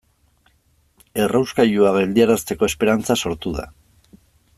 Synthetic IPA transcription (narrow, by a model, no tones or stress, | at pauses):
e̞rʔawskajuaβe̞ld̪iaɾast̪e̞ko̞e̞spe̞ɾant͡saso̞ɾt̪uða̰